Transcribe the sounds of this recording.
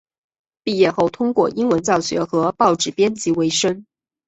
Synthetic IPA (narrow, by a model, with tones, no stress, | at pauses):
pi˥˧jɛ˥˧xo˥˩ʊt̪ʰʊ˥ŋkwɔ˥˩ʔi˥ŋwə˧˥nt͡sɑ˥˩ʊɕɥɛ̰˧˥xɤ˧˥pɑ˥˧ʊʈ͡ʂɻ̩˥˩pjɛ˥nt͡ɕʰi˧˥we˧˥ɪʂə˥ŋ